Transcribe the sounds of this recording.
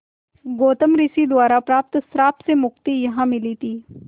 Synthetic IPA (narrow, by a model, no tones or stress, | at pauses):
ɡoːt̪əmɾiːsid̪ʊaːɾapɾaːp̚t̪sɾaːpsemʊkt̪ijɐɦãmɪlit̪ʰiː